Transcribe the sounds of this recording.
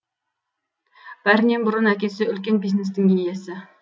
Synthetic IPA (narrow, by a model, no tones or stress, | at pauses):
b̥æɾnimbuɾʊnɦɛkʲesɪølkʲænbiznɪsd̪ɪŋɡʲijɛsɪ